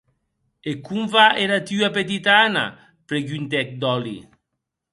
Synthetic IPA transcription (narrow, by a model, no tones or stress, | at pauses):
ekuɱvaʔeɾat̪yap̬et̪̬it̪ana̰ | pɾeɡynt̪ɛk̚d̪ɔlḭ